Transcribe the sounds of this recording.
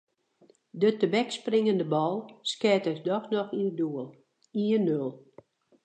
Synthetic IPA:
dətəbɛksprɪŋəndəbɔlˠskɛtəsdɔxnɔxiduəlˠ | iənnølˠ

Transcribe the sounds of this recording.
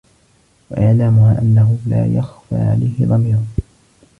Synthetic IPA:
waʔɪʕlamʊhaːʔanːaɦʊla̰ːjaxfa̰ːʕa̰lajhɪðˤɑmiːɾʊn

